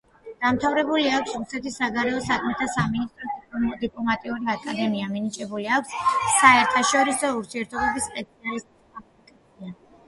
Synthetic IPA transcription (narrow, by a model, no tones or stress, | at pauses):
d̪̥amt̪ʰavɾɛbuliakʷʰsɾusɛt̪ʰisːaɡaɾɛɔsakʰmɛt̪ʰasaminist̪ʼɾɔd̪id̪ipʼlɔmat̪ʼiuɾiakʼad̪ɛmiaminit͡ʃʼɛbuliakʰʷsːaɛɾt̪ʰaʃɔɾisɔuɾt̪ʰiɛɾt̪ʰɔbɛbispʼɛsinalist̪̚ʼisʼapʰikʼat̪sʰia